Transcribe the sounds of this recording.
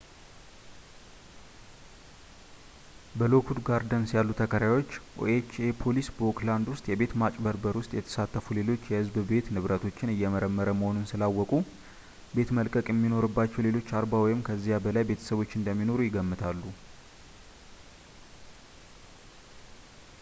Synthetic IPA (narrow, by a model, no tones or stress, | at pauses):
bəlo̞kʰud̪ɡaɾd̪ənsjalːut̪ʰəkʰəɾawo̞t͡ʃːʔo̰et͡ʃepʰo̞lisbokland̪wʊst̪ʼjɛbe̞t̪mat͡ʃʼbəɾbəɾwʊst̪ʼjɛt̪ʰə̥sat̪ːəfule̞lo̞t͡ʃːjɛhɨzbbe̞t̪nɨβɾət̪ʰo̞t͡ʃːɪnɨjːɛməɾəmːəɾəməho̞nunsɨlawːɔkʼu | be̞t̪məlkʼəkʼjɛmːino̞ɾɨbːat͡ʃːɛwle̞lo̞t͡ʃːaɾbawɔjɪmkʰəzːijabəlajbe̞t̪ʰə̥səβo̞t͡ʃːɨnd̪əmːino̞ɾujɪɡəmːɨt̪ʰalːu